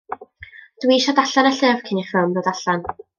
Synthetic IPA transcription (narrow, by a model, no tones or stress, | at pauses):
d̥wiːʃadaɬanaɬɛvkʰɪnifɪlˠmdɔdaɬan